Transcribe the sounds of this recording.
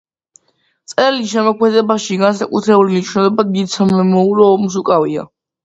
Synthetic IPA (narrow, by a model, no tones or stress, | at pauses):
t̪sʼɛliʃɛmɔkʰmɛd̪ɛbaʃiɡansakʼut̪ʰɾɛbulinit͡ʃʰwnɛd̪ɔbad̪̚ɡit̪sʰamɛmɔuɾɔːmus̬ukʼavia̰